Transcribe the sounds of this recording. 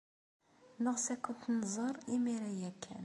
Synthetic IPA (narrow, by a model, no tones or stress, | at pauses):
nəʁsækːənt̪nːzˤəɾˤimiɾæjækʰːæ̰n